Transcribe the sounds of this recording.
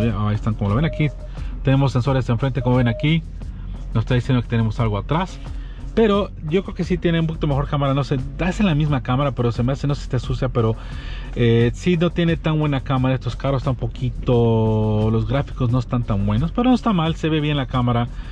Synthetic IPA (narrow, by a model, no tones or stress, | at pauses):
jaajest̪aŋkomoloe̞naki | t̪e̞ne̞mo̞sːe̞nso̞ɾjase̞ɱfɾe̞nt̪eko̞moβe̞naki | nosest̪aðisjend̪oket̪ene̞mo̞salɣoat̪ɾas | pe̞ɾo̞ɟ͡ʝo̞kɾeokesit̪je̞neump̬okit̪ome̞xo̞ɾkamaɾano̞seaselamizmakamaɾape̞ɾosemease̞no̞si̥st̪esusjape̞ɾo̞ | esinot̪je̞ne̞t̪anwe̞nakamaɾaest̪o̞skaɾost̪ampo̞kit̪o̞lo̞zɣɾafiko̞zno̞est̪ant̪anbwe̞no̞spe̞ɾo̞no̞est̪amalse̞βe̞βje̞nlakamaɾa